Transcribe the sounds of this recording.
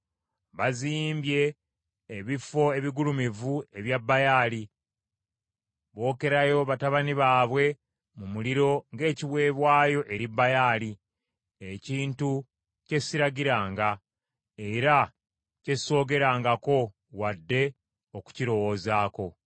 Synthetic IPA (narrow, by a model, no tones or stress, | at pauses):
βaziːmbje̞ː | βifo̞eβiɡulumivue̞βjabːajaːli | βo̞ːke̞ɾajo̞βataβaniβaːβwe̞ | mumuliɾo̞ŋɡe̞ːciβwe̞ːβwaːjo̞ʔe̞ɾibːajaːli | eciːntu | ce̞siɾaɡiɾaːŋɡa | e̞ɾa | ce̞so̞ːɡe̞ɾaːŋɡako̞ | wadːe̞ | oku̥ciɾo̞wo̞ːzaːko̞